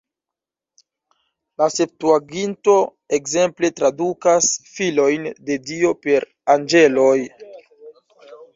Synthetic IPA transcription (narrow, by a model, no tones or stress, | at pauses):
lase̞p̚tuaɡinto̞ | e̞kze̞mple̞tɾadukasfilo̞jnde̞dio̞pe̞ɾ | and͡ʒe̞lo̞j